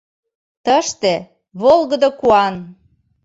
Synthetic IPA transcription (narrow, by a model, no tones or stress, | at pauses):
t̪əʃt̪ĕ | βolˠɣəd̪okuɑn